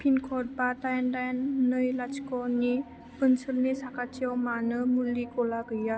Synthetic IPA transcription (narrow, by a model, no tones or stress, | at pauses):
pʰinkʰɔʈ̚bat̪ajandajnːəjlat͡ʃkɔni | pənsʰəlnisakat͡ʃiɔwmanɯmulːikolaɡəja